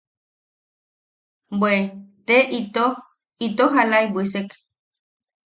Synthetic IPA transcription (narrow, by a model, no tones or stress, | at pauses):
bwet̪eʔit̪o | it̪oɦalaibʷisek